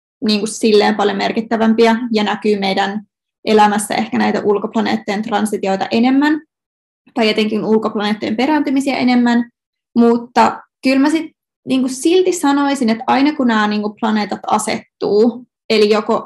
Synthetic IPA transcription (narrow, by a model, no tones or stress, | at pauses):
niːŋkussilːeːmpɑljomerkit̪ːæʋæmpiæjɑnækyːmejdæn | ʔelæmæsːæ̰ʔehkænæjt̪æʔulkoplɑnḛːt̪ːojent̪rɑnsit̪io̞jt̪ɑ̰ʔenemːæn | t̪ɑjet̪eŋkinulkoplɑneːt̪ːojempe̞ɾænt̪ymisiæ̰ʔenemːæn | mut̪ːɑkylmæsit̪ | niːŋkussilt̪isɑno̞isinet̪ɑinɑkunæːniːŋkuplɑne̞ːt̪ɑt̪ɑ̰sḛt̪ːuː | elijoko